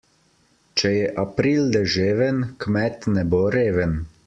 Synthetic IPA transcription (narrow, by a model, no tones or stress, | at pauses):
t͡ʃɛjɛʔapɾiːld̪ɛʒeːʋənkmɛt̪nɛboɾeːʋən